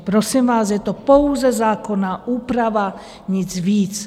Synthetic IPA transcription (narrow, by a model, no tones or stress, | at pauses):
pɾosimvaːsjɛt̪opo̞wzɛzaːko̞naːʔuːpɾava | ɲɪt͡sviːt͡s